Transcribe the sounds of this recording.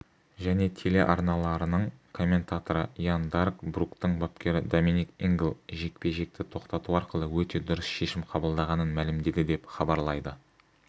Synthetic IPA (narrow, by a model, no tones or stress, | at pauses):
ʒæne̞t̪ʰe̞le̞̰ʔɑɾnɑlˠɑɾənəɴkʰo̞mʲːe̞nt̪at̪o̞ɾəjand̪arɡbrukt̪əɴbap̚kʲʰe̞ɾɪd̪o̞minikiŋɡlˠʒe̞k̚pe̞ʒe̞k̚t̪ɪt̪ʰo̞qt̪ɑt̪uɑɾqəlˠəwɵt̪e̞d̪ʊɾəsʃe̞ʃɪmqʰɑbəlˠd̪ɑʁɑnənmælɪmd̪e̞d̪ɪd̪e̞pχɑbɑɾlˠɑjd̪ə